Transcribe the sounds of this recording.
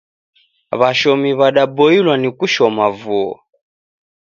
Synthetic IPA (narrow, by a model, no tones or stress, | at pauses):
βaʃɔmiβaɗabɔilwanikuʃɔmavuɔ̰